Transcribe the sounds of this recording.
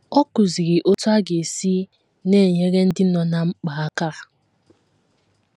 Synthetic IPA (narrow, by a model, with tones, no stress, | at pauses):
ɔ˦kʊ˨zi˨ɣɪ˨ʔo˦tʊ˦a˦ɡe˨si˦ | ne˦˨ɲe˦ɣe˦n̩˦dɪ˦nɔ˨na˨ŋ͡m̩˦k͡pa˨a˦ka˦